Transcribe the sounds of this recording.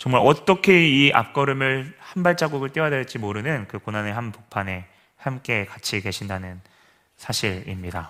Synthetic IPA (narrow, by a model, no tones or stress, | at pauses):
t͡ɕʌŋmaɾʌt͈ʌkʰe̞iʔa̰p̚k͈ʌɾɯmɯɭhanbaɭt͡ɕ͈aɡuɡɯɭt͈iadet͡ɕ͈imoɾɯnɯnkɯkonaneɦanpok̚pʰane̞ | hamk͈e̞kat͡ɕʰike̞ɕʰindanɯn | sʰaɕʰiɾimɲida